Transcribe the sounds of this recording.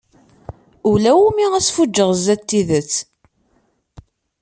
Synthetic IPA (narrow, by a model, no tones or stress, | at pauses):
ulæwumiʁæsfud͡ʒːəʁzæt̪ːiðət͡sː